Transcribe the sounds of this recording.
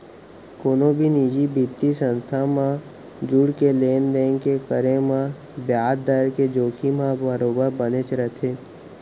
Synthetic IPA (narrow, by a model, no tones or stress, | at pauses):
koːnõbʱinid͡ʒibʱit̪ːisə̃nst̪ʰamã | d͡ʒuɽkeleːnd̪ẽːŋkekəɾẽmã | bjaːd̪d̪əɾked͡ʒoːkʰimãbəɾoːɡabənet͡ʃɾət̪ʰeː